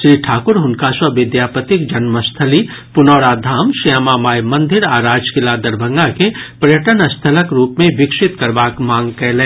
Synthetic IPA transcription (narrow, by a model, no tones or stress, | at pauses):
ʃɾiːʈʰaːkʊɾɦʊnkaswɐʋɪd̪jaːpət̪ɪkd͡ʒɐnməst̪ʰəli | pʊnɔːɽaːd̪ʱaːmʃijamaːmaːjmɐ̃nd̪ʱɪɾaːɾaːd͡ʒkɪlad̪ɐɾbʱə̃ŋɡakepɾjəʈənɐst̪ʰələkɾuːpmẽʋɪkʃɪt̪kɐɾbaːkmãːŋɡkɛɦleː